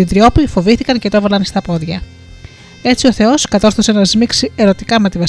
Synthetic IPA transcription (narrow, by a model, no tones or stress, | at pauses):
ind̪ɾio̞pifo̞viθikɐnce̞t̪oevɐlɐnst̪ɐpo̞ðʝɐ | e̞t͡sio̞θe̞o̞skɐt̪o̞sθosenɐzmiksie̞ɾo̞t̪ikɐme̞t̪ivɐs